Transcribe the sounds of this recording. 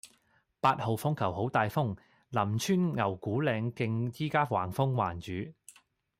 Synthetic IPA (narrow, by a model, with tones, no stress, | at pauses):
paː˧t̚ho˨wfʊ˥ŋkʰɐ˨˩wɦo˨˥wt̪aː˨jfʊ˥ŋ | lɐ˨˩mt͡ʃʰyː˥nŋɐ˨˩wkuː˨˥lɛː˨˧ŋkɪ˧ŋt͡siː˥kaː˥wa̰ː˨˩ŋfʊ˥ŋwa̰ː˨˩nt͡ʃyː˨˥